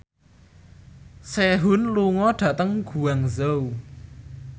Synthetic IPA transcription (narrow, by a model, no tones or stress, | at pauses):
sɛɦunluŋɔd̥at̪əŋɡ̥uaŋzəw